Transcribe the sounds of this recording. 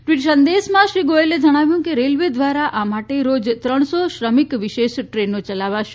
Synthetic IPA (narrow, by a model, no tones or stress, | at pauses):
ʈʋiʈʃənd̪eːsmãʃɾiːɡoeled͡ʒɐɽ̃aːʋjũkeɾeːlʋed̪ʋaːɾaʔamaːʈeɾoːd͡ʒt̪ɾəɽ̃sɔʃɾəmikʋɪʃeːʃʈɾeːnot͡ʃɐlaːʋaʃ